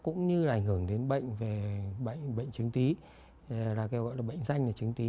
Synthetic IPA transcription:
kʊ̰˧˥ŋ͡mɲɨ˧laː˨ʔa˧˩jŋ̟hɨ˧˩əŋɗe˨˦nɓə̰˧˨jŋ̟ve˨˩ɓə̰˧˨jŋɓə̰˧˨jŋ̟t͡ɕɨ˨˦ŋt̪i˨˦ | laː˨˩kɛ˧wɣɔ̰˧˨jlaː˨˩ɓə̰˧˨jŋ̟za˧jŋ̟laː˨˩t͡ɕɨ˨˦ŋt̪i˨˦

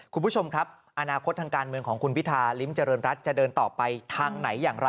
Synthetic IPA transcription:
kʰu˧npʰu˦˥t͡ɕʰo˧mkʰɾa˦˥p̚ | ʔa˧naː˧kʰo˦˥t̪̚ʰːaː˧ŋkaː˧nmɯ˧əŋkʰɔː˩˦ŋkʰu˧npʰi˦˥t̪ʰːaː˧li˦˥mt͡ɕa˧ɾɤː˧nɾa˦˥t̪̚t͡ɕa˨˩dɤː˧nt̪ɔː˨˩pa˧jt̪ʰaː˧ŋna˩˦jːaː˨˩ŋɾa˧

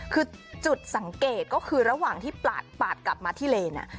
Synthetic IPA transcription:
kʰɯː˧t͡ɕu˨˩t̪̚sa˩˦ŋkeː˨˩t̪̚kɔː˥˩kʰɯː˧ɾa˧waː˨˩ŋt̪ʰiː˥˩pla̰ː˨˩t̪̚paː˨˩t̪̚kla˨˩p̚maː˧t̪ʰiː˥˩leː˧na̰˧˩

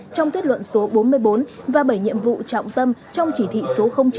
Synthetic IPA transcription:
t͡ɕɔ˧wŋ͡mt̪ʰwi˦˥t̚lwə̰˧˨nso˨˦ɓo˨˦nmɨ˧əjɓo˨˦nvaː˨˩ɓə˧˩jɲḭ˧˨əmvṵ˧˨t͡ɕɔ̰˧˨wŋ͡mt̪ə˧mt͡ɕɔ˧wŋ͡mt͡ɕi˧˩t̪ʰḭ˧˨so˨˦xə˧wŋ͡mt͡ɕ

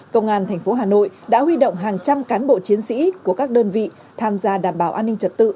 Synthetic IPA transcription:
kə˧wŋ͡mʔaː˧nt̪ʰɛ˨˩jŋ̟fo˨˦ɦaː˨˩no̰˧˨jɗa̰ː˧˥ɦwi˧ɗə̰˧˨wŋ͡mɦaː˨˩ŋt͡ɕa˧mkaː˨˦nɓo̰˧˨t͡ɕi˨˦ənsḭ˧˥ku˧˩əkaː˦˥k̚ɗəː˧nvḭ˧˨ | t̪ʰaː˧mzaː˧ɗaː˨˩mɓaː˧˩wʔaː˧nːï˧ŋ̟t͡ɕə˨˩t̚t̪ɨ̰˧˨

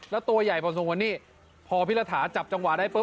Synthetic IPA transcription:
lɛ˦˥t̪u˧ɐja˨˩jpʰɔː˧ns̬o˧ŋkwa˧nːiː˥˩ | pʰɔː˧pʰi˦˥t̚la˧t̪ʰaː˩˦nt͡ɕa˨˩p̚t͡ɕa˧ŋwa˨˩daː˥˩jpɤː˦˥

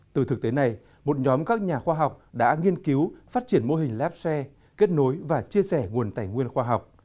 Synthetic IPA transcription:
t̪ɨ˨˩t̪ɨ˨˩k̚t̪e˨˦na˨˩j | mo˨˩t̚ɲɔ˨˦mkaː˦˥k̚ɲaː˨˩xwaː˧ɦa˨˩wk͡p̚ɗa̰ː˧˥ŋi˧ənki˨˦wfaː˦˥t̚t͡ɕi˧˩ənmo˧ɦï˨˩ŋ̟laː˦˥p̚sɛ˧ | ke˦˥t̚no˨˦jvaː˨˩t͡ɕi˧əsɛ˧˩ŋu˨˩ənt̪aː˧˩jŋwi˧ənxwaː˧ɦa˨˩wk͡p̚

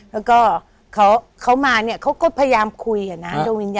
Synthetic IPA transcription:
lɛ˦˥wkɔː˥˩ | kʰa˦˥wkʰa˦˥wmaː˧ni˥˩ɐkʰa˦˥wkɔː˥˩pʰaː˧ja˧jaː˧mkʰu˧jːaː˨˩na˦˥do˧ŋwiː˧njaː˧

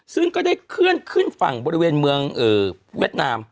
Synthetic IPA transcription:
sɯ˥˩ŋkɔː˥˩da˥˩jkʰɯ˥˩ənkʰɯ˥˩nfa̰˨˩ŋbɔː˧ɾi˧weː˧nmɯ˧əŋʔɤː˨˩ | wḭ˥˩ət̪̚naː˧m

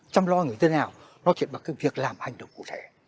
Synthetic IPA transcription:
t͡ɕɔ˧wŋ͡mlɔ˧ŋɨ˨˩ə˩t̪ʰe˨˦naː˨˩wnɔ˨˦t͡ɕḭ˧˨nɓaː˨˩kaː˨˥kvi˨˩ək̚laː˨˩mha˨˩jŋ̟ɗə̰˨wŋ͡mku˧˩t̪ʰe˧˩

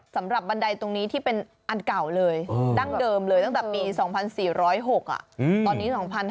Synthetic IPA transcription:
sa˩˦mɾa˨˩p̚ba˧nda˧jt̪o˧ŋniː˦˥t̪ʰiː˥˩pe˧n | ʔa˧nka˨˩wlɤː˧jda˥˩ŋdɤː˧mlɤː˧jt̪a˥ŋt̪ɛ˨˩piː˧sɔː˩˦ŋpʰa˧nsiː˨˩ɾɔː˦˥jɦo˨˩k̚ʔa̰˨˩ʔt̪ɔː˧nːiː˦˥sɔː˩˦ŋpʰa˧n

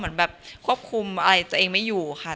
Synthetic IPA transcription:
mɯ˩˦ənbɛː˨˩p̚kʰu˥˩əp̚kʰu˧mʔa˧ɾa˧jt̪u˧əʔeː˧ŋma˥˩jːuː˨˩xʰa˥˩

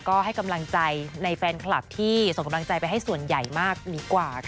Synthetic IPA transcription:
kɔː˥˩ha˥˩jka˧mla˧ŋt͡ɕa˧jna˧jfɛː˧nkʰla˨˩p̚t̪ʰiː˥˩so˨˩ŋka˧mla˧ŋt͡ɕa˧jpa˧jɦa˥˩jsu˨˩ənja˨˩jmaː˥˩k̚diː˨˦kwaː˨˩kʰ

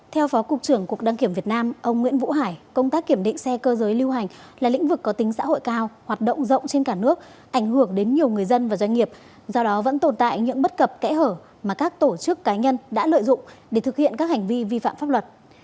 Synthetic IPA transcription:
t̪ʰɛ˧wfɔ˨˦kʊ˨˩k͡p̚t͡ɕɨ˧˩əŋku˨˩ək̚ɗaː˧ŋki˧˩əmvi˨˩ət̚naː˧mʔə˧wŋ͡mŋwḭ˧˥nvṵ˧˥ɦaː˧˩jkə˧wŋ͡mt̪aː˦˥k̚ːi˧˩əmɗḭ̈˧˨ŋ̟sɛ˧kəː˧zəː˨˦jli˧wɦa˨˩jŋ̟ | laː˨˩lḭ̈˧˥ŋ̟vɨ˨˩kːɔ˨˦t̪ï˨˦ŋ̟sa̰ː˧˥ɦo̰˧˨jkaː˧whaː˨˩t̚ɗo̰˧˨wŋ͡mzə̰˧˨wŋ͡mt͡ɕe˧nkaː˧˩nɨ˦˥ək̚ | ʔa˧˩jŋ̟hɨ˧˩əŋɗe˨˦nɲi˨˩əwŋɨ˨˩əjzə˧nvaː˨˩zwa˧ŋ̟ŋi˨˩əp̚ | zɔ˧ɗɔ˨˦və̰˧˥nt̪o˨˩nt̪a̰ː˧˨jɲɨ̰˧˥ŋɓə˦˥t̚kə˨˩p̚kɛ̰˧˥həː˧˩ | maː˨˩kaː˦˥k̚t̪o˧˩t͡ɕɨ˦˥əkːaː˨˦ɲə˧nɗa̰ː˧˥lə̰ː˧˨jzʊ̰˧˨ŋ͡mɗe˧˩t̪ʰɨ˨˩k̚hḭ˧˨ənka˦˥k̚ha˨˩ŋ̟vi˧vi˧fa̰ː˧˨mfaː˦˥p̚lwə˨˩t̚

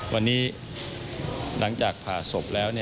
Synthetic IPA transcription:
wʔa˧nːiː˦˥ | lʔa˩˦ŋt͡ɕaː˨˩k̚pʰaː˨˩so˨˩p̚lɛː˦˥wni˥˩

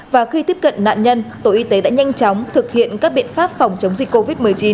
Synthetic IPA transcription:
vaː˨˩xi˧t̪i˦˥əp̚kə̰˧˨nna̰ː˧˨nɲə˧nt̪o̰˧˩ʔi˧t̪e˨˦ɗa̰ː˧˥ɲa˧jŋ̟t͡ɕɔ˨˦wŋ͡mt̪ʰɨ˨˩k̚hḭ˧˨ənkaː˦˥k̚ɓḭ˧˨ənfaː˦˥p̚fɔ˨˩wŋ͡mt͡ɕə˨˦wŋ͡mzi˨˩kkːo˧vi˦˥t̚mɨ˨˩əjt͡ɕi˨˦n

